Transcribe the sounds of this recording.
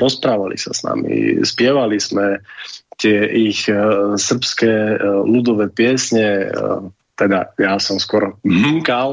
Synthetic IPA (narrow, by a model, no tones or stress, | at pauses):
ɾɔspɾaːʋalḭsa̰sna̰mḭspɪɛʋalizmɛt̪ɪɛʔixsr̩pskɛːlud̪ɔʋɛːpɪɛsɲɛ | t̪ɛd̪a̰jasɔmskʊɔɾɦ̩ŋkal